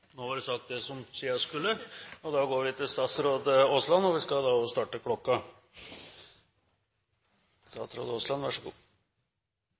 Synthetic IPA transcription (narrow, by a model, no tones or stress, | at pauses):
noːʋɑɾsɑk̚t̪̚d̪ɛsɔmsiːɑskʉlːəɔd̪ɑɡoːɾʋɪt̪ʰɪlst̪ɑːt̪sɾoːd̪əoslɑnːɔʋɪskɑd̪ɑɔst̪ɑːʈəkʰlɔkːɑ | st̪ɑ̰t̪sɾo̰ːd̪əoːslɑnʋæʂəɡṵː